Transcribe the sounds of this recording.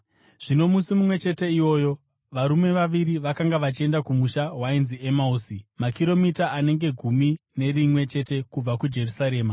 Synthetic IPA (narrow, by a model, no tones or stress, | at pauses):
ʐ̥ino̞musimumwe̞t͡ʃe̞te̞iwo̞ːjo̞ | ʋaɾume̞ʋaʋiɾiʋakaŋɡaʋat͡ʃie̞ndakumuʃaɦwainziemauːsimakiɾo̞mitaʔane̞ŋɡe̞ɡʱumine̞rimwe̞t͡ʃe̞te̞kub͡vakud͡ʒe̞rusaɾe̞ːma